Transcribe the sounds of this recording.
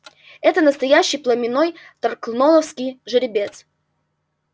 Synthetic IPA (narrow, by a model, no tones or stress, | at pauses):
ɛt̪ənəst̪ɐjæɕːɪjplˠəmʲɪnoj | t̪ɐrklˠnolˠəfskʲɪjʐɨɾʲɪbʲet̪s